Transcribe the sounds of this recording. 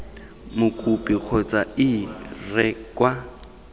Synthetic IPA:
mʊkʼupʼik͡xʰɔt͡sʼaɪrɛkʼwa

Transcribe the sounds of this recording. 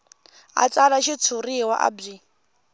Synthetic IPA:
a̰t͡salaʃit͡sʰuriwa̰ʔa̰bi

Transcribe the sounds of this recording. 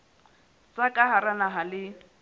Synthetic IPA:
t͡sakʼaɦaɾanaɦalɪ

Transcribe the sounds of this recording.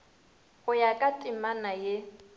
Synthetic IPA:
ɣʊjakʼatʼimanaje

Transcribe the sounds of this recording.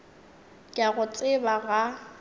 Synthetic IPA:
kʼaɣʊt͡sʼɪbaɣa

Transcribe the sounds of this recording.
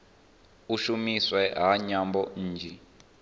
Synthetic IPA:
uʃumiswɛɦaɲambɔn̩ːd͡ʒʱɛ

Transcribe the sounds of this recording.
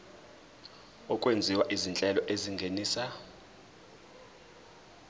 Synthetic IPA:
ɔkʼwend͡zʱiwaʔizint͡ɬʼɛlɔʔeziŋɡʱeniːsa

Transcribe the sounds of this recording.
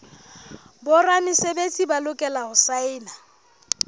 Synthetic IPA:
bʊranɪsebet͡sʼibalʊkʼɛlaɦʊsaɪːna

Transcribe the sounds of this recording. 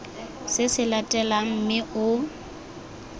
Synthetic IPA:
sɪsɪlatʼɛlam̩mɪʔʊ

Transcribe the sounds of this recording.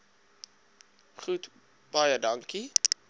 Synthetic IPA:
χut | b̥ɐjədɐŋki

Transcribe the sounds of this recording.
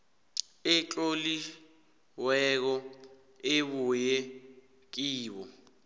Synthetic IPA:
ɪt͡ɬʼoli | wɛk̬ɔ | eɓujɛ | k̬iːɓɔ

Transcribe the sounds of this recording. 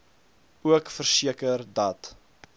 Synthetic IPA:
uəkfərsiəkərdɐt

